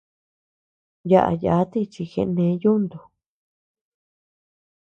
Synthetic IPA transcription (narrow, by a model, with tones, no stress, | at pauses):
ja˧ʔa̰˧ja˨˦t̪i˦˧t͡ʃi˧xḛ̃˧ʔnẽ˧˦ju˦nd̪u˨